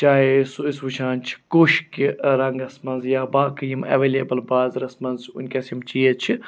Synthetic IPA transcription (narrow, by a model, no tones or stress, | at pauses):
t͡ʃaːesisʋut͡ʃʰaːnt͡ʃʰi̥kuʃkiɾɐŋɡɐsmɐnzjaːbaːkɐjimɐ̰ʋeːlʲeːbəlbaːzɾɐsmɐnzʊ̰nʲkʲɐsimt͡ʃiːet͡ʃʰi